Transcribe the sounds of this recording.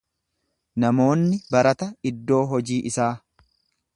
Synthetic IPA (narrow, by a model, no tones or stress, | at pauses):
nɐmo̞ːnːɪbɐɾɐt̪ɐɪd̪ːo̞ːɦɔd͡ʒiːʔɪsaː